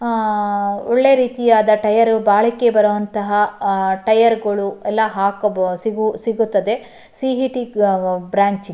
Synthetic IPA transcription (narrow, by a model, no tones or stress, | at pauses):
ɔɭːe̞ɾiːt̪ijaːd̪ɐʈɐjɐɾubaːɭikːe̞bɐɾɐʋɐnt̪ɐɦɐʈɐjɐɾɡɐɭuɛlːɐɦaːkɐsiɡusiɡut̪ːɐd̪e̞ | siɦiʈibɾaːɲt͡ʃi